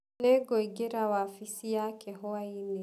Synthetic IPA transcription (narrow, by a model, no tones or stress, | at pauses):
nɛɡɔiɡɛɾawaːfisijakɛɦɔaini